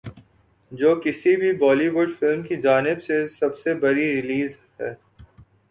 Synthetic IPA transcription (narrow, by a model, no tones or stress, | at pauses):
d͡ʒoːkɪsibʱibɔːliʋʊɖfɪlmkid͡ʒaːnɪbsesɐbsebɐɾiɾɪliːzɦɛ̰ː